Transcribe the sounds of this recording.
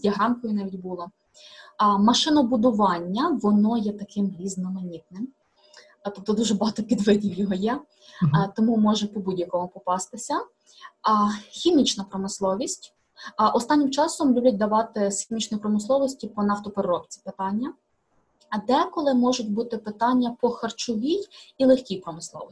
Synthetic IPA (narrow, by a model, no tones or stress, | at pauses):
jʲɐɦɾɑnkɔjʊnɑʋʲidʲbulˠɔ | mɐʃɪnɐbʊd̪ʊʋɑnʲːɐʋɔnɔjɛt̪ɐkɪmɾʲiznɔmɐnʲit̪̚nɪm | t̪ɔp̚t̪ɔd̪uʒɛbɐɦɑt̪ɔpʲid̪ʋɪdʲiwjɔɦɔjɛ | t̪ɔmumɔʒɛpɔbudʲjɐkɔmʊpɔpɑst̪ɪsʲɐ | xʲimʲit͡ʃnɐpɾɔmɪslˠɔʋʲisʲtʲ | ʔɔst̪ɑnʲːɪmt͡ʃɑsɔmlʲubʲɐt̚ʲd̪ɐʋɑt̪ɪsxʲimʲit͡ʃnɔjpɾɔmɪslˠɔʋɔsʲtʲipɔnɐft̪ɔpeɾɾɔpt͡sʲi̥pɪt̪ɑnʲːɐ | d̪ɛkɔlˠɪmɔʒʊtʲbut̪ɪpɪt̪ɑnʲːɐpɔxɐrt͡ʃʊʋʲijilˠexʲkʲijpɾɔmɪslˠɔ̰ʋɔ